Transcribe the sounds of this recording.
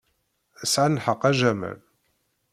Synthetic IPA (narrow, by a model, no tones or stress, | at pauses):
əsʕanħəqːæʒæmæ̰l